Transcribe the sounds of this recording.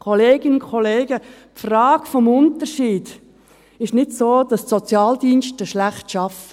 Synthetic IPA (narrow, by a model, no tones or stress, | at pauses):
kʰoleːɡ̥ɪnkʰoleːɡ̥əpfrɑːɡ̥fɔmʊntərʃiːd̥ | ɪʃnɪtsoːd̥ɑstsɔt͡sjɑːldiːnʃtəʃlæχtʃɑfə̥